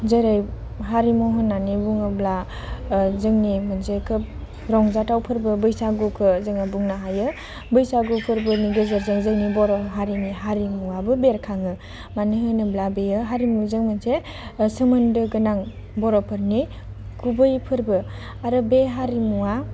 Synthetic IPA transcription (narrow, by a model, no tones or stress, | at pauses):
zeɾaj | ɦaɾimɔɦɔnːanibuŋɯbla | zɯŋnimɯnsekʰɯp | ɾɔŋzatawpʰɯɾbɯbɯjsaɡukʰɯzɯŋabuŋnaɦajɯ | bɯjsaɡupʰɯɾbɯɾniɡɯzəɾzɯŋzɯŋnibɔɾɔɦaɾiniɦaɾimuwabɯbeɾkʰaŋɯ | maniɦɯnɯblabejɯɦaɾimuzɯŋmɯnse | sɯmɯndɯɡɯnaŋ | bɔɾɔpʰɯɾni | kʰubɯjpʰɯɾbɯ | aɾɯbeɦaɾimuwa